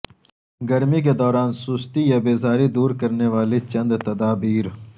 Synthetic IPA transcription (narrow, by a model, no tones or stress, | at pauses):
ɡɐɾmik̬ed̪ɔːɾaːnsuːst̪ijabeːzaːɾid̪uːɾkɐɾneʋaːlet͡ʃɐ̃nd̪t̪ɐd̪aːbiːɾ